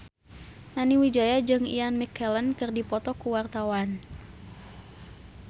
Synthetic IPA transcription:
naniwid͡ʒajad͡ʒɨŋḭanmikʰɛlənkɨrdipɔt̪ɔkuwart̪awan

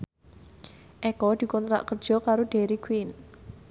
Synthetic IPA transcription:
ʔɛkɔd̪̥i̤kɔnt̪ɾa̰ʔkərd̥ʒ̥ɔ̤kaɾoɖ̪̥eɾikwin

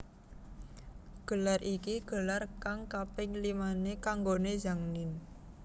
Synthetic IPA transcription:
ɡ̥ə̤larʔikiɡ̥ə̤larkaŋkapɪŋlimanekaŋɡoned͡ʒa̤ŋnɪn

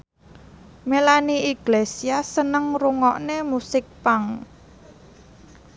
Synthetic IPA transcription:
melaniiɡ̥lesiasənəŋruŋɔʔnemusɪk̚paŋ

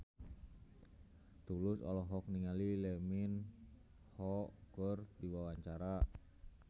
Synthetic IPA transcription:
t̪ulʊsɔ̰lɔɦɔk̚niŋalilɛmin | hɔkərdiwawaɲt͡ʃaɾa

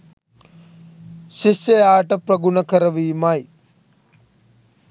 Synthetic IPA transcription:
ʃiɕjɐjaːʈɐpɾɐɡunɐkɐɾɐʋiːmɐj

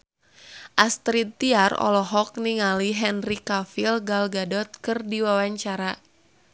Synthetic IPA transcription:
ʔast̪ɾit̪iarɔ̰lɔɦɔk̚niŋaliɦɛnrikafilɡalɡadɔt̪̚kɨrdiwawaɲt͡ʃaɾa

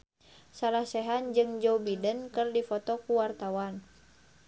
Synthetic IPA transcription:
salahsɛɦand͡ʒɨŋd͡ʒɔubidənkɨrdifɔt̪ɔkuwart̪awan

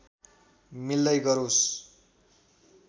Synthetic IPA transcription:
milːʌjɡʌɾos

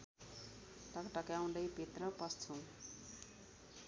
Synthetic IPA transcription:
ʈʌkʈʌkjaw̃d̪ʌjpet̪rʌpʌst͡sʰu

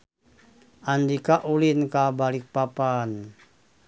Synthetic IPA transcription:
ʔandikaʔulinkabalik̚papan

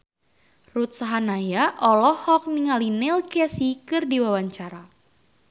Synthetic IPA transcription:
rut̪̚saɦanajaʔɔlɔhɔk̚niŋalinɛlkɛsikɨrdiwawaɲt͡ʃaɾa

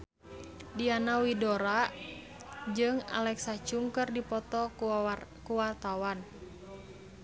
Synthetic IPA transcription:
dianawidoɾa | d͡ʒɨŋa̰lɛksat͡ʃuŋkɨrdipɔt̪ɔ | kuwart̪awan

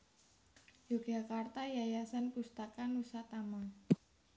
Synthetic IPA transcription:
d͡ʒo̥ɡ̥a̤kart̪ajajasankust̪akanusat̪ama

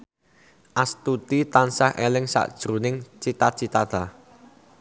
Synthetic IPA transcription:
ʔast̪ut̪it̪ansahʔelɪŋsa̰ʔd̥ʒ̥ɾunɪŋt͡ʃit̪at͡ʃit̪at̪a

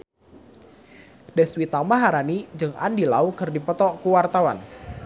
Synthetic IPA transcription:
dɛswit̪amaɦaɾanid͡ʒɨŋʔa̰ndila̰ukɨrdipət̪ɔkuwart̪awan

